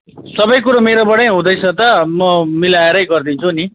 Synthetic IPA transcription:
sʌbʌjkuɾʌmeɾobʌɽʌjɦũd̪ʌjt͡sʰʌt̪ʌmʌmilaeɾʌjɡʌrd̪int͡sʰuni

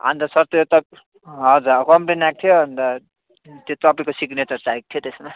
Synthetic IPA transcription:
ʌ̰nt̪ʌsʌɾt̪ojot̪ʌb | ɦʌd͡zuɾʌkʌmpinak̚t̪ʰijoɦʌnt̪ʌ | t̪jot̪ʌpʌikosiknet͡sʌɾt͡saɾik̚t̪ʰijot̪esma

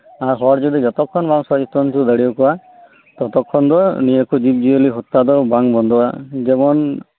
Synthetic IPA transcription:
aɾɦɔɾd͡ʒid̪id͡ʒɔt̪ɔkʰːɔnbaŋsɔd͡ʒit̪ɔntud̪əɽiɔkɔa | t̪ɔt̪ɔkʰːɔnd̪ɔnijɔkud͡ʒib̚d͡ʒiɔliɦɔt̪ːad̪ɔbaŋbɔnd̪ɔad͡ʒɛmɔn

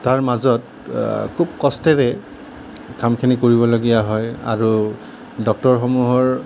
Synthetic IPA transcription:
taɹmazɔt̚ | kʰubkɔstɛɹɛ | kamkʰinikoɹibɔloɡijaɦɔja̰ɹu | dɔk̚tɔɹxɔmuɦɔɹ

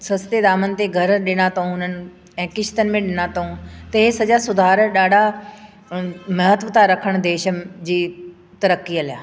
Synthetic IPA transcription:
sɐst̪ed̪aːmənɪ̆t̪eɡʱɐɾɗɪɽ̃at̪oũʊn̤ənɪ̆ | ɛ̃ːkɪʃt̪ənmẽɗɪɽ̃at̪oũt̪ɐɦesɐd͡ʑasʊd̪ʱaːɾɗaːɖʱa | mɐɦət̪ʋət̪ʰaɾɐkʰəɽ̃d̪eːʃəd͡ʑiː | t̪ɐɾəkːiɐlja̰ː

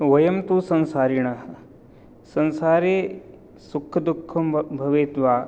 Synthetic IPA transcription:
ʋɐjɐmt̪uːsɐnsaːɾiɳɐ | sɐnsaːɾeː | sukʰːɐd̪ukʰːɐmbʱɐʋeːt̪ʋaː

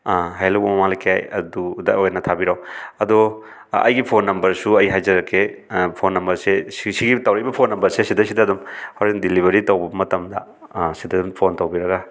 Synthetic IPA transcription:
aɦajlobɐmɐmaŋlajkʰea̰jɐ̰dudɐojnɐtʰabiɾawɐdo | ɐ̰jɡipʰonːɐmbɐɾsuɐjɦajzɐɾɐkʰːepʰonːɐmbɐɾsessiɡitɐwɾɐjbɐpʰonːɐmbɐɾsesidɐsidɐdumhawɾndilibɐɾitɐwbɐmɐtɐmdɐ̰ | sidɐdumpʰontɐwbiɾɐɡa

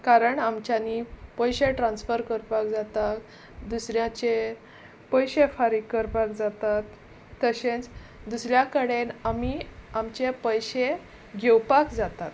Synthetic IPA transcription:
kaɾəɳamt͡ɕjanipəjɕeʈɾãnsfəɾkəɾpakd͡zat̪ak | d̪usɾjãt͡ɕe | pəjɕefaɾikːəɾpak̚d͡zat̪at̪ː | əɕẽt͡s | d̪usɾjakəɽenamiamt͡ɕepəjɕe | ɡʱewpakd͡zat̪at̪

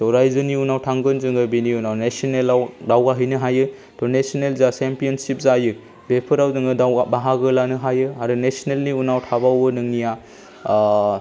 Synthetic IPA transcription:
tɔɾajzɯniunawtʰaŋɡɯnzɯŋɯbiniunawnesɔnelawdawɡaɦɯjnɯɦajɯ | tɔnesɔnelzasempijɔnsip̚zajɯ | bepʰɯɾawzɯŋɯdawabaɦaɡɯlanɯɦajɯaɾɯnesonelniunawtʰabawbɯnɯŋnija

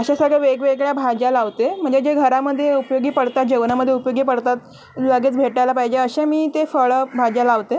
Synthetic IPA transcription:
əɕasəɡɭeʋeɡʋeɡɭjabʱad͡ʑalaʋt̪em̤əɳd͡ʑed͡ʑeɡʱəɾaməd̪ʱːjeupjoɡiːpəɽt̪at̪̚d͡ʑəʋnaməd̪ʱːjeupəjoɡiːpəɽt̪at̪ | ləɡet͡sbʱeʈajlapajd͡ʑeəɕemiːt̪efəɭəbʱad͡ʑalaʋt̪e

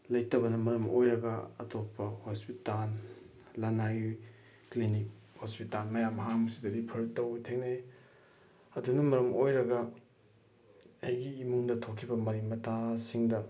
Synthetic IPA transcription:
lɐjtɐbɐnɐmɐɾɐmojɾɐɡɐɐ̰topːɐhospital | lanaju | klinik̚hospitalmɐjamɐɦaŋusidɐdipʰɐɾtɐwtʰeŋnej | ɐdunɐmɐɾɐmʔojɾɐɡɐ | ɐjɡiːmuŋdɐtʰokʰːibɐmɐɾiŋmɐtʰasiŋdɐ

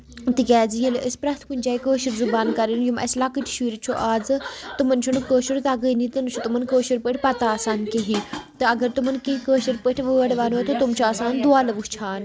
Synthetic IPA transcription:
t̪ikʲɛːd͡zijɐləspɾɐt̪ʰkunʲd͡ʒaːikəːʃiɾzubaːnkɐɾinjumɐ̰slakɨʈʰʃʋiːɾt͡ʃʰoʔaːd͡zɨt̪umɐnt͡ʃʰunkəːʃuɾt̪ɐɡənit̪ɨnt͡ʃʰut̪umɐnkəːʃiɾpəʈʰʲpɐt̪aaːsaːnkeɦit̪ɨɐɡəɾt̪umɐnkeɦikəːʃiɾpəʈʰʋəʋɐɽʋaːnot̪ot̪umt͡ʃʰoaːsaːnd̪uaːlɐʋust͡ʃʰaːn

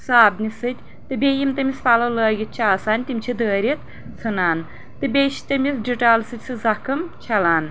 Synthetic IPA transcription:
saːbnʲisɨt̪ʲ | t̪ɨbʲejimt̪ɨmʲisfalɐwləːɡit̪̚t͡ʃʰaːsaːnʲt̪imʲt͡ʃʰid̪əːɾʲit̪̚ | t͡sʰɨnaːn | t̪ɨbʲeʃt̪ɨmʲisd͡ʒɨʈaːlsɨtʲsɨzakʰɨmt͡ʃʰɐlaːn

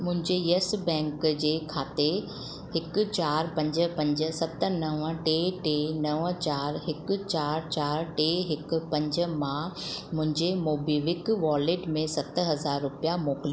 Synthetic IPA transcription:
mʊ̃ɦɪ̃ɲd͡ʑejesbɛ̃ːŋkd͡ʑeːkʰaːt̪e | hɪkt͡ɕaːɾpɐ̃ɲd͡ʑə̆pɐ̃ɲd͡ʑə̆sɐt̪ənɐʋəʈeʈenɐʋət͡ɕaːɾɦɪkt͡ɕaːɾt͡ɕaːɾʈeːɦɪkpɐ̃ɲd͡ʑ̆mãmʊ̃ɦɪ̃ɲd͡ʑemoːbiːʋɪkʋaːleːʈmẽsɐt̪ɦɐzaːɾːʊpijamoːkli

